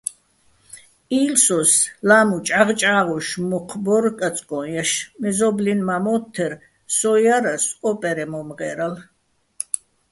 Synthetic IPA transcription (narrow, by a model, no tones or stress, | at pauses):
iːlsɔslamut͡ʃʼaʁt͡ʃʼaːʁɔʃmɔqʰbɔɾkʼat͡sʼkʼɔjaʃmɛzɔblinmamɔt̪ʰːɛɾ | sɔjaɾasʼɔpʼɛɾɛmɔmʁɛːɾal